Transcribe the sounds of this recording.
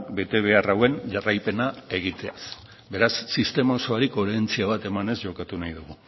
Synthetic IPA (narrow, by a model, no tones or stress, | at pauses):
kbe̞t̪e̞β̞e̞arawe̞nʝarajpe̞nae̞ɣ̞it̪e̞a̰s | be̞ɾasːist̪e̞maoso̞aɾiko̞ɾeent͡siaβ̞at̪e̞mane̞zʝo̞kat̪unajðuɣ̞u